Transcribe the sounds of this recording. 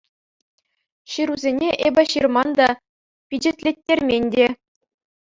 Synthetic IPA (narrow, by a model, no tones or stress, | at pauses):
ɕɯɾuzʲenʲeʔebʲɘ̆ɕirmɑnd̪ɑ | pʲid͡ʑɘ̆tʲlʲetʲːerʲmʲenʲdʲe